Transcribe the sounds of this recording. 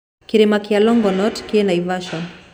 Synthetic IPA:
kiɾemakɪalɔŋɡɔnɔtkienaivaʃɔn

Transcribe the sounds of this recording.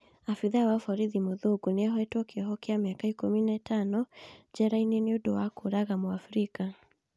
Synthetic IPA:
afiðawaufaɾiðimuðuɡuniaɦɔɛtwɔkiɔɦɔkiamiakaikuminatanɔd͡ʒɛɾaininiudowakuɾaɣamwafɾika

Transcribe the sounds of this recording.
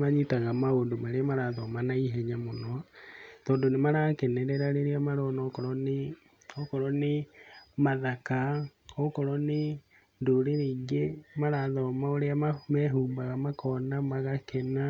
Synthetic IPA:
maɲitaɣamaondomaɾeamaɾaðɔmanaiɦɛɲamonɔtɔːndonemaɾakɛnɛɾɛɾaɾeɾeamaɾɔnɔkɔɾɔne | ɔkɔɾɔnemaðaka | ɔkɔɾɔne | ndoɾeɾiŋɡemaɾaðɔmaoɾeamamɛɦuːmbaɣamakʰɔnamaɣakɛna

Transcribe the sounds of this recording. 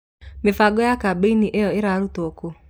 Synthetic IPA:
mefaɡɔjakabeiniʔejɔeɾaɾutoko

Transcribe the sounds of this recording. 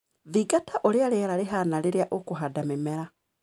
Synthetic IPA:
ðiɡatʰaʔolialeaɾaliɦanaliɾjaʔokuɦadamemeɾa

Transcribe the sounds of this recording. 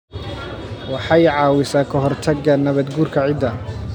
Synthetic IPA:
wɑħɑjʕɑːwɪsaːkʰɐɦɔrt̪ʰɐɡːɐnɐβɐd̪ɡuːrkʰɐʕɪd̪ɐ

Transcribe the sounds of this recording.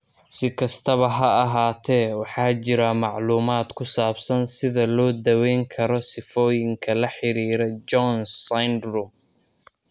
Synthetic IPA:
sɪkʰɐst̪ʰɐβɐɦɐɐɦaːt̪ʰɛːwɑħɑːt͡ʃɪɾɐmɑʕluːmaːd̪kʰʊsaːbsɐnsɪðɐlɔːd̪ɐwɛjŋkʰɐɾɔsɪfɔːjɪŋkʰɐlɐħɪɾiːɾɛd͡ʒɔnɐjnd̪rum

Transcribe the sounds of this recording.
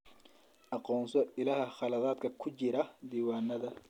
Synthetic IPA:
ʔɑqɔːnsɔɪlɐhɐχɑlɐðaːd̪kʰɐkʰʊt͡ʃɪɾɐd̪iːwaːnːɐðɐ

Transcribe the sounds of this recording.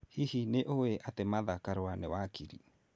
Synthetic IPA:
hihineʔoweʔatemaðakaɾwanewakiɾḭ

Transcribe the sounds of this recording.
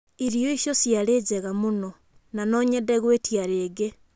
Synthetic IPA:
iɾioiʃjosjaɾeːd͡ʑɛɣamonɔ | nanɔɲɛdɛɣwetiaɾeːɡe

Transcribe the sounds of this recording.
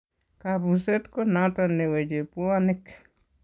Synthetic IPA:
kabuset̪konat̪onewed͡ʒepuanɪk

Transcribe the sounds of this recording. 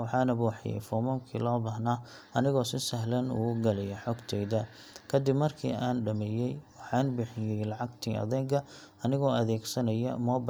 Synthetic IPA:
wɑħɑːnɐbuːħɪ̰jɛ̰jfɔːmɔːmkʰḭːlɔːbɐɦnaːɐnɪɣɔːsɪsɐɦlɐnʊ̰ʊɡɐlɛjɐħɔːɡt̪ʰɛːjðɐ | kʰɐd̪ɪbmɐrkʰḭːʔaːnɖɐmɛːjɛjwɑħɑːnbɪħɪjɛjlɑʕɑɡt̪ʰiːʔɐ̰ðɛːɡʰɐ | ɐnɪɣɔːɐðɛːɡsɐnɐjɐ̰mɔːb

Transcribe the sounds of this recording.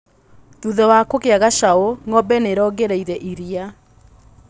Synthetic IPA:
ðuðɛwakokeaɣaʃaoŋɔbɛneɾɔɡeɾɛiɾɛʔiɾia

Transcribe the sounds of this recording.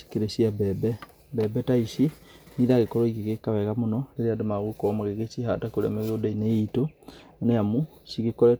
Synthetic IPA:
si̥keɾesiabɛbɛ | bɛbɛtaisi | niðaɣekɔɾɔiɣeɣekaβɛɣamonɔleɾeadomaɣwekɔmaɣeɣesihatakoɾɛ̰mɛɣeodaineitoneamu | siɣekɔɾɛ

